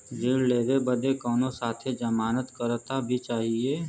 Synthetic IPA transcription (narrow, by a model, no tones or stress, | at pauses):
d͡ʒiːlleːɾebəd̪ekɔːnõsaːt̪ʰed͡ʒəmaːnət̪kəɾt̪abʱit͡ʃaːɦieː